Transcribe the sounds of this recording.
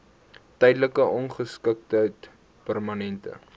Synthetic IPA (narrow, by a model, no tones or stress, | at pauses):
tɛjdləkəɔnχəskək̚tət | pærmɐnɛntə̰